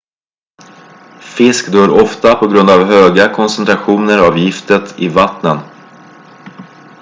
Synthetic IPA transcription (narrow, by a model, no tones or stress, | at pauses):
fɪskd̪øːɾɔft̪apʰɔɡɾɵnd̪avɦøːɡakʰɔnsɛnt̪ʰɾaɧuːnəɾaːvjɪft̪ət̪ʰɪvat̪nən